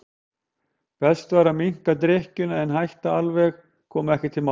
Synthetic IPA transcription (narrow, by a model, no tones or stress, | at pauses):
pɛst̪vaːɾamiŋ̥kat̪̬ɾɛhcʏnaɛnɦajht̪aalvɛx | kʰɔːmʏɛhcɪt̪ʰɪlma